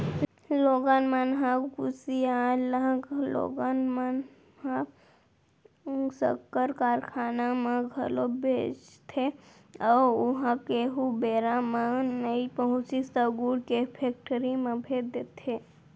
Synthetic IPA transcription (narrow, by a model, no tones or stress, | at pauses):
loːɡanmanɦakusialə̃klo̰ːɡanman | ɦa | sə̰kːəɾkaːɾkʰaːnamẽɡʱəlobʱeːt͡ʃt̪ʰe | ɔːɾʊɦãkeɦubeːɾamãnəipəɦʊ̃t͡ʃist̪əɡuːɽkepʰeːk̚ʈəɾimẽbʱed̪et̪ʰe